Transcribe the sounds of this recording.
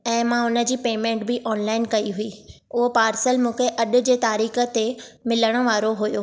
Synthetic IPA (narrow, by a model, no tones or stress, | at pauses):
ɛ̃ːmãʊnə̆d͡ʑiːpeːmẽːɳʈbɪʔɔːnlaːɪnkɐiɦʊiːʊɦopaːɾsəlmũːkʰeʔɐɗʊ̆d͡ʑeːt̪aːɾiːxə̆t̪emɪləɽ̃ə̆ʋaːɾoɦʊjoː